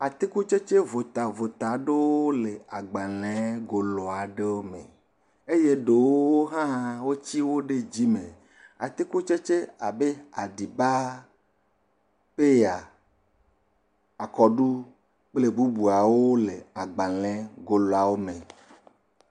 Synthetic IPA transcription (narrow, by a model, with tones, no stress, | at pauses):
a˨t̪i˦ku˦t͡ʃe˦t͡ʃe˦vo˨t̪a˨vo˨t̪a˨ɖe˦woo˦le˨a˨ɡ͡ba˨l̃ɛ̃˨˦ɡo˨lɔ˨a˨ɖe˦wo˦mḛ̃˨ | e˦je˦ɖe˨wwo˦ɦã˦wo˦t͡ɕi˦wo˦ɖe˦d͡ʑi˦me˨ | a̰˨t̪i˦ku˦t͡ʃe˦t͡ʃe˦a˨be˦a˨ɖi˨ba˦ | pe˦ja˨ | a˨kɔ˨ɖu˦ | k͡ple˦bu˦bu˨a˨wo˦le˨a˨ɡ͡ba˨lɛ̃˦ɡo˨lɔ˨a˨wo˦mẽ˨